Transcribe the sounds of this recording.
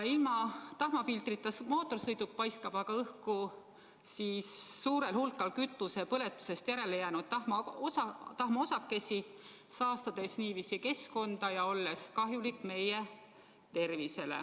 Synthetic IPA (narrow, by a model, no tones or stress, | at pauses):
jɑilmɑt̪ɑhmɑfilt̪rit̪ˑːɑsmo̞ːt̪ˑːo̞rsɤjd̪uk̚pɑjskɑb̥ɑɡ̥ɑɤhku | siːsːuːɾe̞lhulkːˑɑlkyt̪ːˑuse̞pɤle̞t̪ːˑu̥se̞st̪jæɾe̞lejæːnud̪̥̚ɑmɑɑt̪ɑhmɑo̞sɑkːe̞sʲi | sɑːst̪ɑd̪̥e̞sniːviːsike̞sko̞nd̪̥ɑjɑo̞lːe̞skɑɦjulikːˑme̞je̞ | t̪e̞rvise̞lḛ